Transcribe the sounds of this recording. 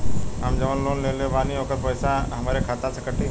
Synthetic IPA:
ɦamd͡ʒəʋənloːnleːleːʋaːniɦoːkəɾpəːsaɦəmaːɾekʰaːt̪asəkəʈiː

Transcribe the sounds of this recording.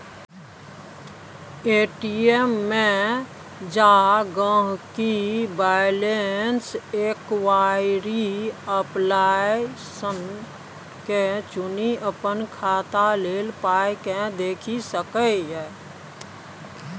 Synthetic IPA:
eːʈiemːẽ | d͡ʒaɡə̃ɦkibaːɪlenseːkwaːɪɾiəplaːjsən | ket͡ʃʊniʔəpənkʰaːt̪aleːlpaːekẽd̪eːkʰisəkəɦɛː

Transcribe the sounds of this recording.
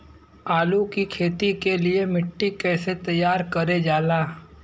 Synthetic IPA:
aːlukikʰeːt̪ikeliemɪʈːikɛːset̪ɐjːaːɾkɐɾed͡ʒaːlaː

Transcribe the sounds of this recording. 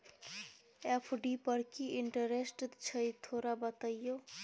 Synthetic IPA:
epʰɖipəɾkiiɳʈəɾesʈd̪t͡ʃʰəjt̪ʰoɾabət̪əjjo

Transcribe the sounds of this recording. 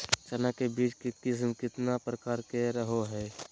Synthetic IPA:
t͡ʃənakebiːt͡ʃkekɪs̬mkɪt̪napɾəkaːɾkeɾəɦoɦɛː

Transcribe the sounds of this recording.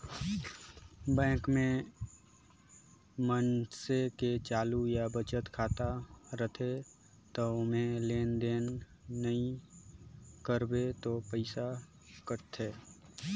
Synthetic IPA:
bɛ̃ːkmẽ | mənseket͡ʃaːlujabət͡ʃət̪kʰaːt̪aɾət̪ʰe | t̪omẽleːnd̪eːnː | əĩ | kəɾbet̪opəɪsa | kəʈt̪ʰeː

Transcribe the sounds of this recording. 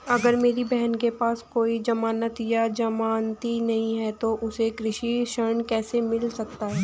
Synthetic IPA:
ɐɡəɾmeːɾibɛɦənkepaːskoːid͡ʒɐmaːnət̪jad͡ʒɐmaːnt̪inɐɦĩɦɛt̪oʔʊsekɾɪʃiʃəɾɳkɛːsemɪlsɐkt̪aɦɛː

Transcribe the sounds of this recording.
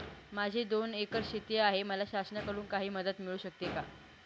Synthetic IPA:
mad͡ʑʱid̪onekəɾɕit̪jəaɦeməlaɕasnakəɾuːnkaɦiːməd̪ət̪miɭuːɕək̚t̪eka

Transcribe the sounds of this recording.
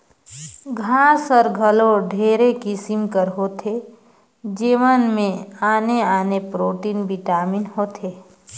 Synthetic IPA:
ɡʱãːsəɾɡʱəloɖʱeːɾekisɪmkəɾɦoːt̪ʰe | d͡ʒeːʋənmẽaːneaːnepɾoːʈiːnbʱiʈaːmɪnɦoːt̪ʰeː

